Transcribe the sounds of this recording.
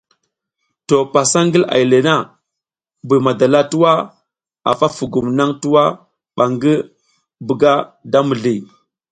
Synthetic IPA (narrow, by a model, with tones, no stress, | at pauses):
to˨pa˨sa˦ŋɡi˦la̰˨i˨le˨na˦ | bu˨ma˨da˨la˦tu˦wa˦ | a̰˨fa˦fu˨ɡu˨mna˦ŋtu˦wa˦ | ɓa˨ŋɡi˦ | bu˨ɡa˦da˦mu˨ɮi˨